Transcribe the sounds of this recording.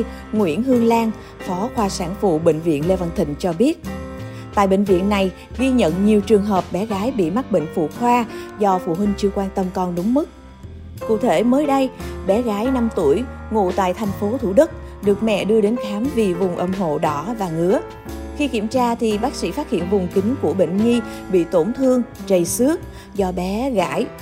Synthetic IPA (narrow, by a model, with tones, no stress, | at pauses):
ŋwḭ˧˩ənhɨ˧əŋlaː˧ŋ | fɔ˨˦xwaː˧˩saː˧˩nfṵ˧˨ɓḭ̈˧˨ŋ̟vḭ˧˨ənle˧va˧˩nt̪ʰï˧˩ŋ̟t͡ɕɔ˧ɓi˦˥ət̚ | t̪a̰ː˧˨jɓḭ˧˨ŋ̟vḭ˧˨ənːa˨˩j | ɣi˧ɲə̰˧˨nɲi˨˩əwt͡ɕɨ˨˩əŋɦəː˨˩p̚ɓɛ˨˦ɣaː˨˦jɓḭ˧˨ma˦˥t̚ɓḭ̈˧˨ŋ̟fṵ˧˨xwaː˧zɔ˧fṵ˧˨ɦï˧ŋ̟t͡ɕɨ˧əkwaː˧nt̪ə˧mkɔ˧nɗʊ˨˦ŋ͡mmɨ˦˥k̚ | kṵ˧˨t̪ʰe˧˩məː˨˦jɗə˧jɓɛ˨˦ɣaː˨˦jna˧mt̪u˧˩əj | ŋṵ˧˨t̪a̰ː˧˨jt̪ʰɛ˨˩jŋ̟fo˨˦t̪ʰṵ˧˩ɗɨ˦˥k̚ | ɗɨ˨˩ək̚mɛ̰˧˨ɗɨ˧əɗe˨˦nkaː˨˦mvi˨˩vʊ˨˩ŋ͡mʔə˨˧˩mɦo̰˧˨ɗɔ˨˦vaː˨˩ŋɨ˨˦ə | xi˧ki˧˩əmt͡ɕaː˧t̪ʰi˨˩ɓaː˦˥k̚sḭ˧˥faː˦˥t̚hḭ˧˨ənvʊ˨˩ŋ͡mkï˨˦ŋ̟ku˧˩əɓḛ˧˨ŋ̟ŋi˧ | ɓḭ˧˨t̪o˧˩nt̪ʰɨ˧əŋt͡ɕə˨˩jsɨ˦˥ək̚ | zɔ˧ɓɛ˨˦ɣa̰ː˧˥j